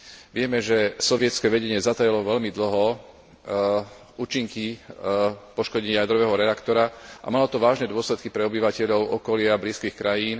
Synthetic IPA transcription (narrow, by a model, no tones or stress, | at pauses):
ʋɪɛmɛʒɛsɔʋɪɛt͡skɛʋɛɟɛɲɪɛzat̪ajɛlɔʋɛʎmid̪l̩ɦɔ | uːt͡ʃiŋki | pɔʃkɔɟɛɲajad̪ɾɔʋɛːɦɔɾɛakt̪ɔɾaʔa̰malɔt̪ɔʋaːʒnɛd̪ʊɔslɛt̪̚kipɾɛɔbiʋacɛʎɔʊʔɔkɔlɪabliːskiːxkɾajiːn